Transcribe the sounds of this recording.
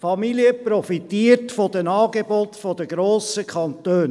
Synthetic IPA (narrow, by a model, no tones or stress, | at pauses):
fɑmiliəpɾɔfit̪iəɾtfɔd̥ɛnɑːɡebɔt̪fɔd̪əɡɾoːsəkʰɑntøːn